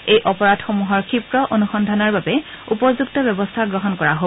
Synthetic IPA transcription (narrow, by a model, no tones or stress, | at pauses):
ejʔɔpɔɹadxomuɦɔɹkʰipɹɔʔonuxɔndʱanɔɹbabɛ | upɔɹzuɡtɔbɛbɔstʰaɡɹɔɦɔnkɔɹaɦo